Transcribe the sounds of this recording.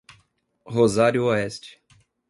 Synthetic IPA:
hozaɾjʊoɛst͡ʃɪ̥

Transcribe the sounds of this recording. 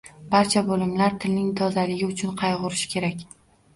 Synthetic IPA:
baɾt͡ʃʰabolɪmlaɾt̪ʰɪlnɪŋt̪ʰɒzalɪɡʲɪʊt͡ʃʰʊnqʰɑjʁʊɾɪʃɪ̥kʲʰe̞ɾakʲ

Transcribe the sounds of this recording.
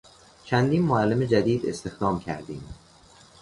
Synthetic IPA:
t͡ʃʰænd̪iːnmoælːeme̞d͡ʒæd̪iːd̪e̞̰st̪e̞xd̪ɒːmcʰæ̰ɾd̪iːm

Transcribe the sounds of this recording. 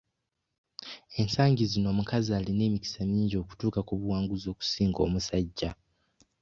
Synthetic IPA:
e̞nsaːɲɟizino̞ːmukaziaːline̞ːmici̥samiːɲɟo̞ku̥tuːkakuβuwaːŋɡuzo̞ːku̥siːŋɡo̞̰ːmusaɟːa

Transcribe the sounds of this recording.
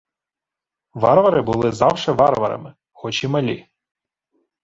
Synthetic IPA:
ʋɑɾʋɐɾɪbʊlˠɪzɑwʃɛʋɑrʋɐ̰ɾɐ̰mɪ | xɔt͡ʃimɐlʲi

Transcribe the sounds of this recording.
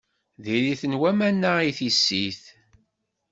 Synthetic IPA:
ðiliθənwæmænːaiθisːiθ

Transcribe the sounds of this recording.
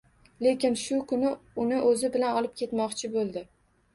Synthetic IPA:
le̞kʲɪnʃʊkʰʊnɪʊnɪʔɵzɪbɪlanɒlˠɪp̚kʲʰe̞t̪mɒqt͡ʃʰɪbolˠd̪ɪ

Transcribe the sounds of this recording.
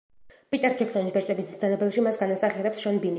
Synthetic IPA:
pʼit̪ʼɛɾd͡ʒɛkʰsɔnisbɛɾt͡ʃʼɛbismzanɛbɛlˠʃimasɡanasaχiɾɛpsʃɔnbimi

